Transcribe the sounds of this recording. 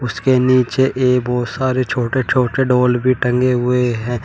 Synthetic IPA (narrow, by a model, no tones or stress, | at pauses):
ʊskeniːt͡ʃeʔeːbɔːt̪saːɾet͡ʃʰoːʈet͡ʃʰoːʈeɖoːlbʱiʈɐ̃ŋɡeɦʊeɦɛ̃ː